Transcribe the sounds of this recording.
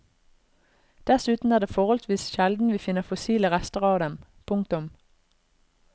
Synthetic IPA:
d̪̥æsʉːt̪n̩æːd̪eːfɔʁhɔlsʋiːsʃɛld̪n̩ʋiːfɪnəʁfʊsiːləʁɛst̪əʁɑːʋd̪ɛm | pʰʊŋk̚t̪ʊm

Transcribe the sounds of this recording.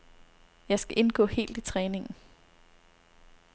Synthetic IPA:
jɑ̈ɪsɡ̥æʔe̝nɡ̥ɔ̰̽ːhe̝̰ːld̥it͡sʰʁɛːne̝ŋn̩

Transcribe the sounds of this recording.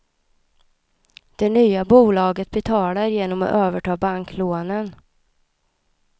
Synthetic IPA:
d̪̥ɛnyːabuːlɑːɡət̪̚bɛt̪ʰɑːlaɾjeːnɔmɔ̰ʔøːvəʈʰɑːbaŋkloːnən

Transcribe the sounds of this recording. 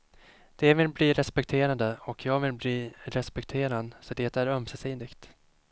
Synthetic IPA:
d̪̥ɛvɪlbliːɾɛspɛk̚t̪ʰeːɾand̪əɔkʰjɑːɡvɪlbliːɾɛspɛkt̪ʰeːɾand̪sɔd̪eːt̪æɾœmsɛsiːnd̪ɪɡt̪

